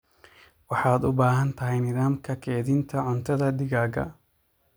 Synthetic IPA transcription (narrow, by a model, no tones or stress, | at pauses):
wɑħɑːd̪ʊbaːɦɐnt̪ʰɐɦɛjnɪðaːmkʰɐkʰɛːðɪnt̪ʰɐʕʊnt̪ʰɐðɐɖɪɣaːɣɐ̰